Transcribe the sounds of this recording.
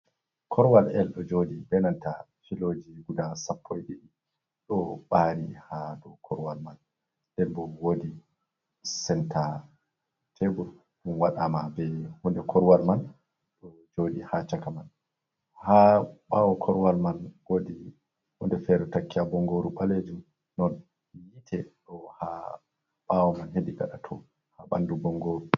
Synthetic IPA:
kʰɔɾwalɛlɗɔd͡ʒodibɛnanta | filod͡ʒiɡudasapʰːɔjɗiɗi | ɗɔɓaɾihadɔkʰɔɾwalman | dɛlbɔwodi | sɛntʰa | tʰebuɾ | munwaɗamabɛhundɛkʰɔɾwalman | ɗɔ | d͡ʒodihat͡ʃakaman | haɓawɔkʰɔɾwalmanwodi | hundɛfɛɾɔtakːiabɔŋɡoɾuɓaled͡ʒum | nɔn | jitʰɛɗɔha | ɓawɔmanɦediɡa̰ɗatʰɔ̰ | haɓa̰ndubɔŋɡoɾu

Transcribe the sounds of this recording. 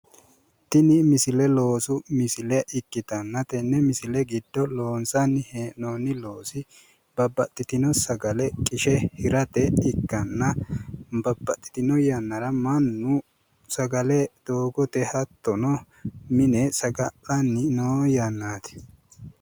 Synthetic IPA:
t̪ɪnɪmɪsɪlɛlo̞ːsʊmɪsɪlɛʔɪkːɪt̪ɐnːɐt̪ɛnːɛmɪsɪlɛɡɪd̪ːɔlo̞ːnsɐnːɪheːʔnoːnːɪlo̞ːsɪ | b̥ɐbːɐt̪ʼːɪt̪ɪnɔsɐɡɐlɛkʼɪʃɛhɪɾɐt̪ɛɪkːɐnːɐ | bɐbːɐt̪ʼːɪ̥t̪ɪnɔjɐnːɐɾɐmɐnːʊ | sɐɡɐlɛd̪̥o̞ːɡɔt̪ɛhɐt̪ːɔnɔ | mɪnɛsɐɡɐʔɐnːɪnoːjanːaːt̪ɪ̥

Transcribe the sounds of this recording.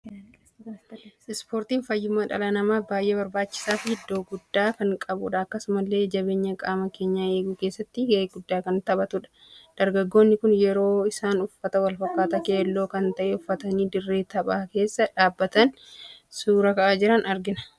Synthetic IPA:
ɪspo̞ːɾt̪iːnfɐjːʊmːɐᶑɐ̰lɐnɐmaːfbaːjʔe̞ːbɐɾbaːt͡ʃːɪ̥saːfɪhɪd̪ːo̞ːɡʊd̪ːaːkɐŋkʼɐbʊᶑɐɐkːɐsʊmɐlːe̞ːd͡ʒɐbe̞ːɲːɐkʼaːmɐke̞ːɲːaːe̞ːɡuke̞ːsːɐt̪ːɪɡɐeːɡʊd̪ːaːkɐnt̪ɐbɐt̪ʊᶑɐ̥ | d̪̥ɐɾɡɐɡːo̞ːnːɪkʊnjɛɾo̞ːɪsaːnʊfːɐt̪ɐwɐlfɐkːaːt̪ɐkeːlːo̞ːkɐnt̪ɐʔeʊfːɐt̪ɐniːd̪ɪrːeːt̪ɐɓaːke̞ːsːɐᶑaːbːɐt̪ɐnsuːɾɐkɐʔaːd͡ʒɪɾɐnɐɾɡɪnɐ̥

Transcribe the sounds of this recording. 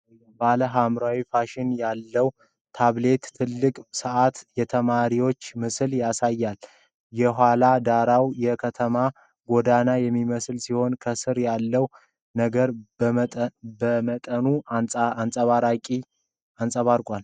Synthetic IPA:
baləɦamɾawifaʃɪnjalːəw | t̪ʰaβle̞t̪ːʰɨlːɨkʼsɨʔat̪jɛt̪ʰəmaɾiwo̞t͡ʃːmɨsɨljasajːal | jɛɦʷalad̪aɾawjɛkʰət̪ʰəma | ɡo̞d̪anajɛmːiməsɨlsiho̞nkʰəsɨɾjalːəw | nəɡəɾ | bəmət̪ʼənuansʼəβaɾakʼi | ansʼəβaɾkʼal

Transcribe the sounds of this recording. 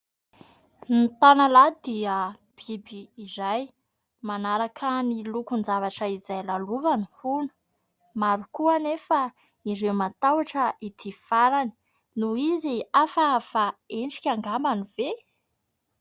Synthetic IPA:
nit̪analad̪iə | b̥ibiːzaj | manaɾakʰənilukunzavaʈ͡ʂəizajlaluvanhunə̥ | maɾukuanefa | iɾewmat̪awaʈ͡ʂəit̪ʰifaɾani̥ | nuiziafafaeɳʈ͡ʂi̥kʲaŋɡambanive

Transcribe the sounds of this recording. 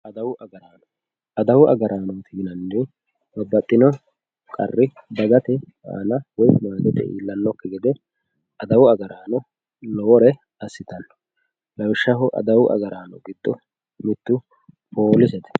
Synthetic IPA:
ʔɐd̪ɐwʊʔɐɡɐɾaːnɔ | ɐd̪ɐwʊʔɐ̰ɡɐɾʔaːnɔt̪ʰiːnɐnːɛ | bɐbːɐt̪ʼːɪnɔ | kʼɐ̰rːɪbɐɡɐt̪ɛ | a̰ːnɐwɔjmaːɡ̪ɛt̪ɛ̰ʔḭːlːɐnːɔkːɛɡɛd̪ɛ | ɐd̪ɐwʊɐɡɐɾaːnɔ | lɔwɔɾɛ | ɐsːɪt̪ɐnːɔ̥ | lɐwʃːɐɦʊʔɐ̰d̪ɐwʊʔɐ̰ɡɐɾaːnɔ̰ɡɪd̪̥ːɔ | mɪt̪ːʊ | pʰoːlɪsɛt̪ɛ̥

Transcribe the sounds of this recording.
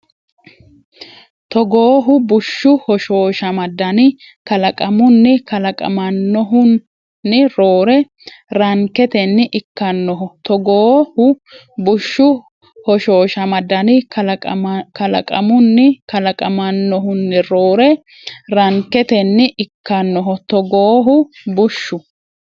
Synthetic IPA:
t̪ɔɡoːɦʊbʊʃːʊhɔʃo̞ːʃɐmɐd̪ɐnɪ | kɐlɐkʼɐmʊnːɪkɐlɐkʼɐ̰mɐnːɔɦʊnː | ɪɾoːɾɛ | ɾɐŋkːɛt̪ɛnːɪʔɪkːɐnːɔɦʊt̪ɔɡoːhʊ | bʊʃːʊ | hɔʃoːʃɐmɐd̪ːɐnɪk | kɐlɐ̰kʼɐ̰mʊnːɪkɐlɐkʼɐmɐnːɔɦʊnːɪɾoːɾɛ | ɾɐŋkɛt̪ɛnːɪʔɪkːɐnːɔɦɔt̪ɔɡoːɦʊbʊʃːʊ

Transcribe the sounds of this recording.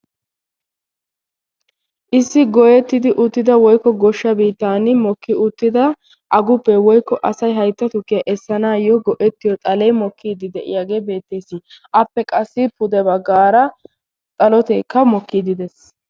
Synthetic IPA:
ʔɪsːɪɡɔjɛt̪ːɪd̪ɪʔʊt̪ːɪd̪ɐwɔjkːɔɡɔʃːɐbiːt̪ːaːnɪmɔkːɪʊt̪ːɪd̪ɐ | ʔɐɡʊpːɛwɔjkːɔʔɐsɐjɦɐjt̪ːɐt̪ʊkːɪjɐʔɛsːɐnaːjɔɡɔʔɛt̪ːɪjɔt̪ʼɐlɛjmɔkʰːiːd̪ɪd̪ɛʔɪ̰jaːɡe̞ːbe̞ːt̪ːe̞ːsiʔɐpːɛkʼɐsːɪpʊd̪ɛbɐɡaːɾɐ | t̪ʼɐlɔt̪eːkːɐmɔkːid̪ɪd̪ɛs

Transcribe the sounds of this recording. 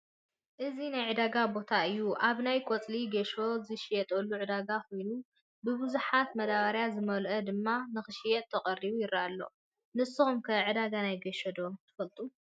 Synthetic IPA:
ʔɨzinajʕɨd̪aɡabo̞t̪ʰaɨjːuʔaβnajkʷʼot͡sʼliɡeʃozɨʃijɛt̪ʼɐlːuʕɨd̪aɡakʰo̞jnu | bɨbɨzuħat̪mɐd̪aβaɾjazɨmɐlʔɐd̪ɨmːanɨxɨʃijɛt̪ʰːɐχʼɐrːiβujɪɾːaʔalːo̞̰ | nɨsːɨxumkʰɐʕɨd̪aɡanajɡeʃod̪o̞t̪ʰɨ̥fɐlt̪ʼu

